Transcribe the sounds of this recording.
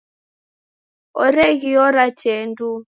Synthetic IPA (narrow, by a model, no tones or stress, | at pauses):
ɔɾɛɣiɔɾat͡ʃɛndu